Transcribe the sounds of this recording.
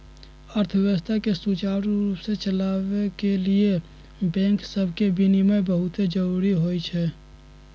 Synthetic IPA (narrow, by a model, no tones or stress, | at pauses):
əɾt̪ʰəʋəəst̪ʰakesut͡ʃaːɾuɾuːpset͡ʃəlaːʋekelie | bɛ̃ːŋksəbʱkebʱinimẽbəɦʊt̪ed͡ʒəɾuːɾiɦoːit͡ʃʰɛː